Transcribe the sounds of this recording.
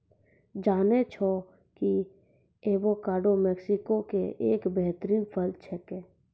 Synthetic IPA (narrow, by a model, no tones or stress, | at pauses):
d͡ʒaːnet͡ʃʰo | ki | eːbokaːɖomɛːksɪkokeʔeːkbɛɦt̪ɾiːnpʰəld̪̚t͡ʃʰɛkeː